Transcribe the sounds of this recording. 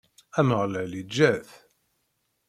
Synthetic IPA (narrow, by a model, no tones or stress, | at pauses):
æməʁlælid͡ʒːæθ